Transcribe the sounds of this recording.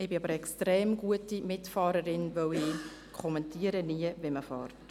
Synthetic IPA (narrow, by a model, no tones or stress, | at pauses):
ɪbɪɑbəɾɛkstɾɛːmɡuətimɪtfɑːɾəɾɪnvœwɪː | kʰχɔmɛntʰiːəɾəniəviməfɑ̰ːrt